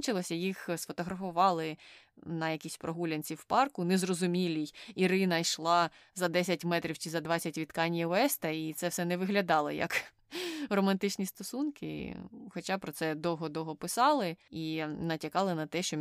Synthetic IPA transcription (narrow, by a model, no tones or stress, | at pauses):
t͡ʃɪlˠɔsʲɐjixsfɔt̪ɔɦɾɐfʊʋɑlˠɪ | nɐjɐkʲisʲpɾʔɔɦulʲɐnʲt͡sʲiwpɑrkʊnɛzrɔzʊmʲilʲijiɾɪnɐjʃlˠɑ | zɐd̪ɛsʲɐtʲmɛt̪ɾʲiwt͡ʃɪzɐd̪ʋɑt͡sʲːɐtʲʋʲit̪kɑnʲjɐɔɛst̪ɐit̪sɛwsɛnɛʋɪɦlʲɐd̪ɑlˠɪjɐ̰k | rɔmɐnt̪ɪt͡ʃnʲist̪ɔsunkɪ̰xɔt͡ʃɑpɾɔt̪sɛd̪ɔwɦɔd̪ɔɦɔpɪsɑlˠɪinɐtʲɐkɑlˠɪnɐt̪ɛʃt͡ʃɔ